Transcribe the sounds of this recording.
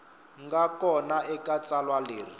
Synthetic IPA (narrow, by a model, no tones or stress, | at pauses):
ŋɡakɔnaɛkʼat͡sʼalwaleːri